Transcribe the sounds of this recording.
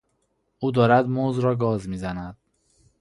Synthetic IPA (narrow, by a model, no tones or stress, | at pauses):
uːd̪ɒːɾæd̪mozɾɒːɡɒːzmiːzænæd̪̥̚